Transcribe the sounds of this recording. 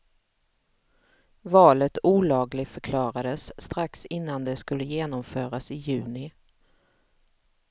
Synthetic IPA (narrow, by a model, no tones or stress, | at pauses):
vɑːlət̪uːlɑːɡlɪɡ̪fœɾkʰlɑːɾad̪əsːt̪ɾaksɪnːand̪ɛskɵlːəjeːnɔmfœːɾasɪjʉ̟ːnɪ